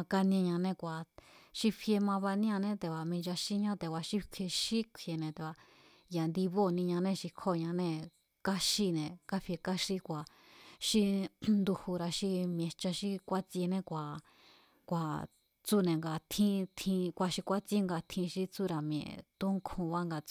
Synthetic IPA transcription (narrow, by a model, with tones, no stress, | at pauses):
ka˧nĩ˧ɲã˧nẽ˧kʷa˨ʃi˦ɸʰi˧e˧mã˧βa˧nĩ˦ã˧nẽ˦t̪e˧˨βa˧mĩ˧d͡ʒa˧ʃi˦ɲã˦t̪e˨wa˧ʃi˦kʷʰe˧ʃi˦kʷʰje˧nẽ˧t̪e˨βa˧ | ja˨nd̪i˧βo˦˨˧nĩ˧ɲã˧nẽ˦˧ʃi˧kʰo˦˨ɲã˧nẽ˦˧ | ka˦ʃi˦˧˨nẽ˨ka˦ɸi˧e˧ka˦ʃi˦kʷa˨ | ʃi˦nd̪u˧hu˧ɾa˧ʃi˧m˧ẽ˧t͡ʃa˧ʃi˦kʷa˦t͡se˧nẽ˦kʷa˨ | kʷa˨ | t͡su˦nẽ˨ŋɡa˧t̪ʰĩ˦t̪ʰĩ˧kʷa˧˨ʃi˧kʷa˦t͡se˦ŋɡa˧˨t̪ʰĩ˧ʃi˦t͡su˦ɾa˧mj̃ḛ̃˨t̪u˦ŋkʰũ˧βa˦ŋɡa˧t͡s